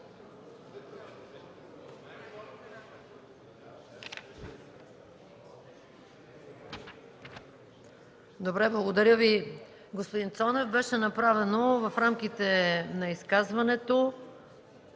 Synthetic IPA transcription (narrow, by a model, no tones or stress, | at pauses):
d̪obɾɛblˠɐɡod̪ɐɾʲjəvi | ɡospod̪int̪sɔnɛvbɛʃɛnɐpɾavɛnovɐfɾamkʲit̪ɛnɐiskazvɐnɛt̪o